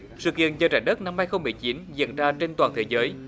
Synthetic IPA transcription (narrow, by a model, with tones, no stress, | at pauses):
sɨ̰˧˨kḭ˧˨ənzə˧˩t͡ɕa̰ː˧˩ɗə˦˥t̚na˧mha˧jxə˧wŋ͡mmɨ˨˩əjt͡ɕi˨˦nzḭ˧˨ənzaː˧t͡ɕe˧nt̪waː˨˩nt̪ʰe˨˦zəː˨˦j